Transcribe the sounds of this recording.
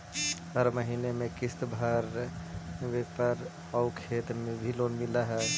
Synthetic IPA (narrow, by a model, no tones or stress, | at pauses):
ɦəɾməɦinemẽkɪst̪bʱəɾ | ʋepəɾ | əʊkʰeːt̪mẽbʱiloːnmɪlaɦɛ